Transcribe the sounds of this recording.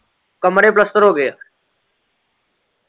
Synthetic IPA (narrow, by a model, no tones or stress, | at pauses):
kəmɾeːp̬ləst̪əɾɦoːɡeː